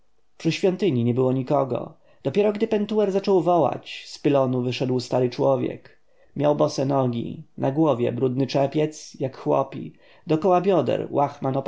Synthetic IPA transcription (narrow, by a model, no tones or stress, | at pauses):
pʂɘɕfʲjɔ̃nt̪ɘɲiɲɛbɘwɔɲikɔɡɔ̰ | d̪̥ɔpʲjɛɾɔɡd̪ɘpɛnt̪uɛɾzat͡ʂɔwvɔwa̰t͡ɕspɘlɔnuvɘʂɛd̪wst̪aɾɘt͡ʂwɔvʲjɛ̰k | mʲjawbɔsɛnɔɡʲḭnʔaɡwɔvʲjɛ̰bɾud̪nɘt͡ʂɛpʲjɛt̪sjakxwɔ̰pʲḭ | d̪ɔkɔwabʲjɔd̪ɛ̰ɾwʔaxmanɔp